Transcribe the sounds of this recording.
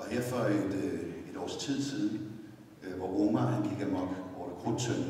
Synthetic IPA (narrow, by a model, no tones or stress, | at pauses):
ɒ̽heɐ̰fɶed̥e̝d̥ɒ̰ːst͡sʰið̞̰ˠsiːðˠn̩ | ʋɒʁoːmæænɡ̥iɡ̥æmɒɡ̥ɒːd̥əɡ̥ʰʁont͡sʰøn